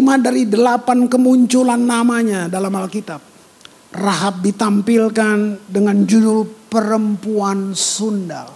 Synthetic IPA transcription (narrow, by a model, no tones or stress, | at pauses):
imadaɾidəlapankəmuɲt͡ʃulanːamaɲadalamalkit̪ap̚ | raɦat̪̚dit̪ampilkandəŋand͡ʒudupəɾəmpuansunda̰l